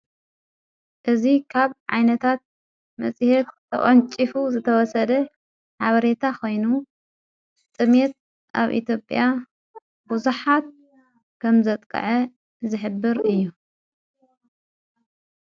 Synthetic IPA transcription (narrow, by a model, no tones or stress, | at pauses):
ʔɨzikʰaβʕa̰jnɐt̪ʰat̪̚ | mɐ̰sʼihet̪ʰː | ɐ̰χʼɐnt͡ʃʼifuzɨt̪ʰɐwɔsɐd̪ɐ | ħaβɐɾe̞t̪ʰakʰo̞jnu | t͡sʼɨmet̪̚ | ʔa̰βʔḭt̪ʰjo̞pʼja | buzuħat̪̚ | kʰɐmzɐt̪ʼkʼɐ̰ʕɐ | zɨħɨbːɨɾɨjːu